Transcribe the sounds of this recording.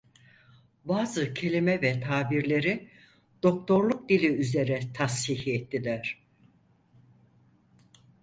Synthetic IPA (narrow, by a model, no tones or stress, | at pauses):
baːzɯcʰe̞lʲimɛvɛt̪ʰaːbiɾlʲe̞ɾi | d̪̥o̞k̚t̪ʰo̞ɾlˠuk̚d̪ilʲiyze̞ɾɛt̪ʰashihɛt̪ʰːilʲæɾ̥